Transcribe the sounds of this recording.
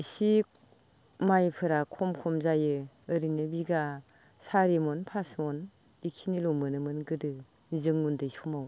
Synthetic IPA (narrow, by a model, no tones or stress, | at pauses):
isi | majpʰɯɾakʰɔmkʰɔmzajɯ | ɯɾinɯbiɡa | saɾimɔnpʰasmɔn | ikʰinilɔmɯnɯmɯnɡɯdɯ | zɯŋːundɯjsumaw